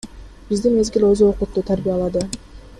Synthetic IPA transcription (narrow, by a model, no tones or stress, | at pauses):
b̥izd̪inme̞zɡʲilʲøzuoqlut̪ːuːt̪ʰaɾbijalˠɑd̪ɯ